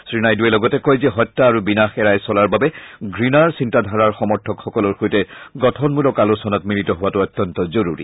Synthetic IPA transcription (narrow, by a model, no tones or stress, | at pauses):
sɹinajduɛlɔɡɔtɛkɔjzɛɦɔtːaːɹubinaxɛɹajsɔlaɹbabɛɡɹinaɹsintadʱaɹaɹxɔmɔɹtʰɔkxɔkɔlɔɹxojtɛɡɔtʰɔnmulɔkalosɔnatmilitɔɦʊwatʊɔtjɔntɔzɔɹuɹḭ